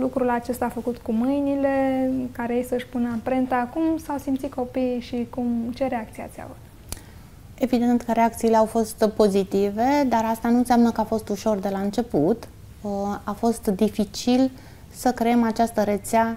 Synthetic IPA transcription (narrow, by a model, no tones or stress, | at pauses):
lukɾulat͡ʃe̞st̪aːfəkut̪kumɨjnilekaɾejejsəɨʃʲpunəapɾent̪akumsawsimt̪sit̪̚ko̞piʃikumt͡ʃe̞ɾeak̚t̪sia̰t̪sia̰v | e̞vid̪e̞nt̪kəɾe̞akt̪siːle̞awfo̞st̪po̞zit̪ive̞d̪aɾast̪anunseamnəkəafo̞st̪uʃo̞rd̪e̞laɨnt͡ʃe̞put̪ | afo̞st̪d̪ifit͡ʃil | səkɾeemat͡ʃast̪əɾet̪sea